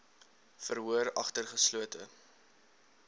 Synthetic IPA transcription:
fəɾɦuəɾɐ̰χtərχəsluətʰə

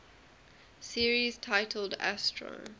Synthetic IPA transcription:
siəɹiz̥tʰaɪtʰəl̩ˠdæ̰stʰɹə̰

